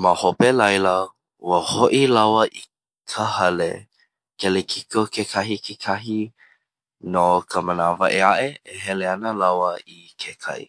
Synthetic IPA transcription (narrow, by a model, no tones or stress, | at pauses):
məhopelɐjlə | wəhoʔilawəʔi | kʰəhɐlḛ | kelekʰikokʰekʰaɦikʰekʰaɦi | nokʰəmənavəʔeaʔeeɦɛleɐnəlawəi | kʰekʰɐ̰j